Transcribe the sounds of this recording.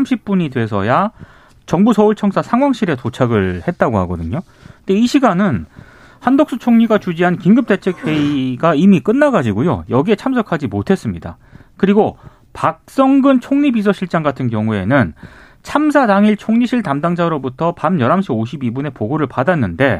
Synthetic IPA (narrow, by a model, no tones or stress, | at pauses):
mɕʰip̚p͈uɲidwe̞sʰʌ̰ja | t͡ɕʌŋbusʰʌuɭt͡ɕʰʌŋsʰasʰaŋɦwaŋɕʰiɾe̞tot͡ɕʰaɡɯɭhe̞t̚t͈aɡohaɡʌdɯɲo | ndeiɕʰiɡanɯn | handok̚s͈ut͡ɕʰoŋɲiɡat͡ɕud͡ʑiɦankiŋɡɯp̚t͈e̞t͡ɕʰe̞k̚pʰe̞iɡaimik͈ɯnːaɡad͡ʑiɡojo̰jʌɡie̞t͡ɕʰamsʰʌkʰad͡ʑimotʰe̞s͈ɯmɲida̰ | kɯɾiɡo | pak̚s͈ʌŋɡɯnt͡ɕʰoŋɲibis̬ʰʌɕʰiɭt͡ɕ͈aŋɡatʰɯnkjʌŋue̞̰nɯn | t͡ɕʰamsʰadaŋiɭt͡ɕʰoŋɲiɕʰiɭtamdaŋd͡ʑaɾobutʰʌpamjʌɾamɕʰioɕ̬ʰibibune̞poɡoɾɯɭpadanːɯnde̞